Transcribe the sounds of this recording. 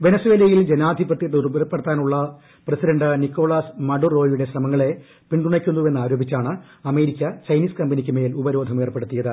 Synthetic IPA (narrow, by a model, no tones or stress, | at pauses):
ʋe̞nɐsuwe̞ːlɐjild͡ʑenaːd̪ʱibɐt̪ːjɐt̪ːurubɐðɐpːeɽɐt̪ːaːnuɭːɐ | presidɐɳɖɨnikːo̞ːɭaːsmɐɖurːo̞ːjuɽe̞ɕrɐmɐŋːɐɭe̞ | piɳɖuɳɐkʲːunːue̞nːaːɾo̞ːbʱit͡ɕːaːɳɨ | ɐme̞ːɾikʲːɐt͡ɕɐjniːskɐmbɐnikʲːɨme̞ːlubɐɾo̞ːd̪ʱɐmeːrpːe̞ɽut̪ːijɐðɨ